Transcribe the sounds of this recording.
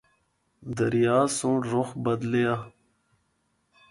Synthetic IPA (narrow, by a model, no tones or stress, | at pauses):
d̪əɾijaːsũːʈɾoxbɐd̪lea